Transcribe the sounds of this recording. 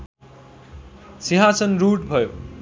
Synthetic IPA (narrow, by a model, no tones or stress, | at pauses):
siɦãsʌnruʈbʱʌjo